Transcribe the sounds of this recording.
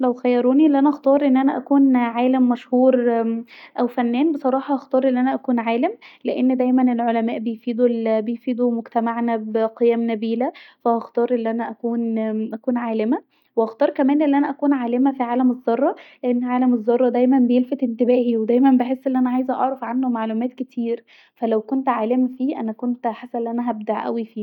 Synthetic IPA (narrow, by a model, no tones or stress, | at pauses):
læwxæjːɑɾˤuːniʔelːʔænæʔɑxt̪ɑːɾˤʔenːʔænæʔækuːnʕaːlæmːæʃhuːɾ | ʔæwfænːæːnbesˤɑɾˤɑːħɑʔɑxt̪ɑːɾˤʔenːʔænæʔækuːnʕaːlemleʔenːd̪æjmænelʕolæmæːʔbejfiːd̪ulbejfiːd̪umoɡt̪æmaʕnæbeqejæːmnæbiːlæfæʔɑxt̪ɑːɾˤʔenːʔænæʔækuːnʔækuːnʕaːlemæ | weʔɑxt̪ɑːɾˤkæmæːnʔenːʔænæʔækuːnʕaːlemæfiʕaːlæmezˤːɑrˤːɑleʔenːʕaːlæmezˤːɑrˤːɑd̪æjmænbejelfæt̪ʔent̪ebæːʔiwed̪æjmæmbeħesːʔenːʔænæʕaːjezæʔɑ̰ʕɾˤɑfʕanhomaʕlumæːt̪ket̪ʰiːɾ | fælæwkont̪ʕaːlemfiːʔæ̰nækont̪ħasːæenːʔænæɦæb̚d̪aʕʔæ̰wifiː